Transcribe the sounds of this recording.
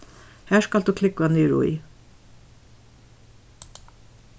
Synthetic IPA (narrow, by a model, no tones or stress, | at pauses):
hæːʃkɑld̪ʉːkʰlɪkːʊɛːnyːɹʊ̰ḭ